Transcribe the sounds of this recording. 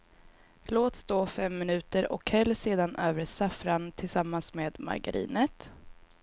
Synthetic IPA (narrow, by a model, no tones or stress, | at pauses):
loːt̪st̪oːfɛmːɪnʉ̟ːt̪əɾɔ̰khɛlːseːd̪anʔøːvɾəsafɾant̪ʰɪlsamːansmeːd̪ma̰ɾɡa̰ɾḭːnət̪